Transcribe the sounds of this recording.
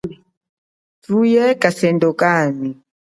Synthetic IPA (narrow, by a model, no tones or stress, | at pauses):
tujɛkasɛndɔkami